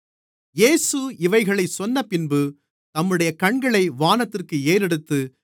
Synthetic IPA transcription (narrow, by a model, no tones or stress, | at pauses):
jeːsɯɪʋɐɪɣɐɭɐɪsɔnːɐpɪnbɯ | t̪ɐmːɯɽɐjɐkɐɳɡɐɭɐɪʋaːnɐt̪ːɪrkɯeːɾɛɽɯt̪ːɯ